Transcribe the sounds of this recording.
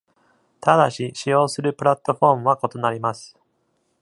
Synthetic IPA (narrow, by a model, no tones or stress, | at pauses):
t̪ad̪aɕiɕijo̞ːsɨɾɯ̟pɯ̟ɾat̪ːo̞ɸo̞ːmɯ̟βako̞t̪o̞naɾʲimasɨ̥